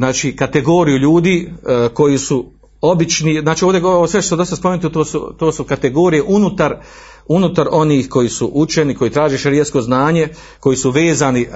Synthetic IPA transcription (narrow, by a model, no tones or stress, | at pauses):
naːt͡ʃikat̪eɡo̞ːɾijuʎuːd̪iːko̞jisu | o̞bit͡ʃniznaːt͡ʃiːoʋd̪jeoosʋet͡ʃesed̪ost̪aspomenit̪ʲt̪oːsṵt̪oːsukat̪eɡo̞ːɾijeʔunut̪aɾ | unut̪aɾo̞niːxko̞jiːsuʔut͡ʃeniko̞jiːt̪ɾaːʒeʃeɾjesko̞znaːɲe̞ | ko̞jiːsuʋeːzaːni